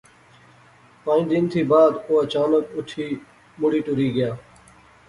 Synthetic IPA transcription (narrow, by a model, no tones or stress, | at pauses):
pãːĩːd̪ɪnt̪ʰiːbaːd̪oːət͡ʃaːnəkʊʈʰiː | mʊɽiːʈʊɾiːɡɪjaː